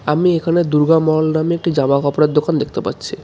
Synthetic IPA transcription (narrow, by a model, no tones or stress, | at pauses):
amiekʰaned̪uɾɡamɔɔlnameek̚ʈid͡ʑamakɔpoɾad̪ːokand̪ek̚ʰt̪epa̰tːɕʰi